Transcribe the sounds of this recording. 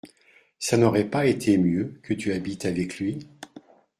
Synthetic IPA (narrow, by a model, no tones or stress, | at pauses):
sanɔʁɛpaet̪ʰemjøkʰət̪yabit̪avɛklɥi